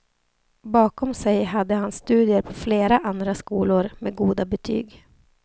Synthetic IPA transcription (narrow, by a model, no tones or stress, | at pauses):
bɑːkɔmsɛjɦad̪ːəhanst̪ʉ̟ːd̪ɪəɾpʰɔfleːɾaʔand̪ɾaskuːlʊɾmḛɡuːd̪abɛt̪ʰy̰ːɡ